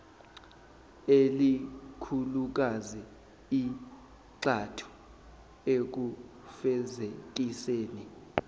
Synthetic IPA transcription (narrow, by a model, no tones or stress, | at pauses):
elikʰuluk̬azi | i | ǀatʰu̥ | ek̬u | fɛzetʼiseːni